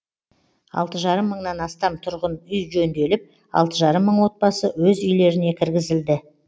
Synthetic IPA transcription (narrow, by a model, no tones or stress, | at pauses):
ɑ̰lˠt̪əʒɑɾəmːəɴnɑnɑst̪ɑmt̪ʰʊɾʁənʏjʒɵnd̪e̞lɪp̚ | ɑ̰lˠt̪əʒɑɾəmːəɴwo̞t̪̚bɑsəwɵzʏjle̞ɾɪne̞kʲʰɪɾɡʲɪzɪld̪ɪ